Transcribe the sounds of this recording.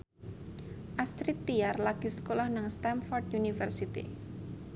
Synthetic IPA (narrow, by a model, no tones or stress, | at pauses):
ʔast̪ɾit̪ːiarlaɡ̥i̤sə̥kolɔhnaŋst̪anfɔrd̪unifərsit̪ḭ